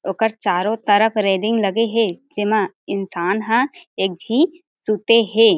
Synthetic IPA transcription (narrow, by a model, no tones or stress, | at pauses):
oːkəɾt͡ʃaːɾõt̪ɐɾəpʰɾeːɖɪ̃ŋɡlɐɡeɦed͡ʒɪmã | ɪnsaːnɦãeːk̚d͡ʒʱiː | suːt̪eɦɛ̃ː